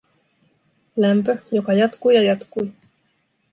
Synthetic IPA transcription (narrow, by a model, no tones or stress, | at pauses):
læmpøjokɑjɑt̪kujɑjɑt̪kuj